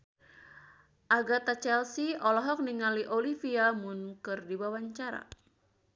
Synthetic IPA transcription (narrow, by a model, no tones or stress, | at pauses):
ʔaɡat̪at͡ʃɛlsiɔlɔɦɔk̚niŋaliʔolifiamʊnkɨrdiwawaɲt͡ʃaɾa̰